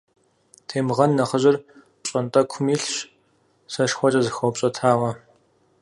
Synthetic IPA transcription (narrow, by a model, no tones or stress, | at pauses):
tʰeːmʁɐnːɐχəʑɪr | ɕʼɐntʼɐkʷʰʊmiːɬɕ | sɐʂxʷɔt͡ʃʼɐzɨxɐwpɕʼɐtʰaːʁɐ